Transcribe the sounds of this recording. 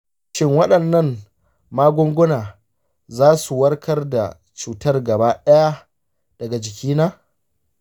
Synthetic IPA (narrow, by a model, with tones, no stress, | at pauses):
ʃɪ˦ŋwɐ˦ɗɐ˨nːɐ˦˨m | maː˦ɡʷʊ˦ŋɡʷʊ˦naː˨ | zaː˦su˨wɐ˦rkʰɐ˦rda̰˨ | t͡ʃuː˨tɐ˦rɡɐ˨baː˦ɗɐ˦ja˦ | d̥ɐ˨ɡa˨d͡ʒɪ˨kʲiː˦naː˦